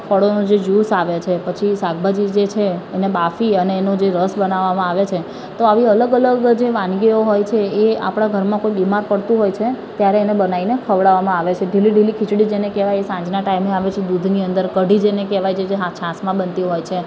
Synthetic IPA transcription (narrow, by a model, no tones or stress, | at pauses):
fʰəɽonod͡ʒejusaʋet͡ʃʰepət͡ʃʰisaɡ̚bad͡ʒid͡ʒet͡ʃʰeːnebafiəneːnod͡ʒeɾəsbənaʋamãaʋet͡ʃʰe | t̪oaʋiələɡələɡd͡ʒeʋãnɡeoɦojt͡ʃʰeea̰pɽ̃aɡʱəɾmãkoibimaɾpəɽt̪ũɦojt͡ʃʰe | t̪jaɾeːnebənainekʰəʋɽaʋamãaʋet͡ʃʰeɖiliɖilikʰɪt͡ʃɽid͡ʒenekeʋajesãɲd͡ʒnaʈaimeaʋet͡ʃʰed̪ud̪ʱniənd̪əɾkəɖʱid͡ʒenekeʋajd͡ʒʰed͡ʒeɦãt͡ʃʰãsmãbənt̪iɦojt͡ʃʰe